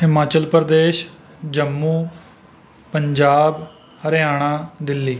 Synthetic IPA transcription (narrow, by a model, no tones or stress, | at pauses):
ɦɪmaːt͡ʃəlpɾd̪eːʃ | d͡ʒəmːuː | pəɲd͡ʒaːb | həɾɪjaːɽ̃aːd̪ɪlːiː